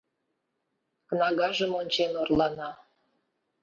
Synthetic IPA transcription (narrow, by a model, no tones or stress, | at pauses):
knɑɣɑʒĕmonʲt͡ɕenorlˠɑnɑ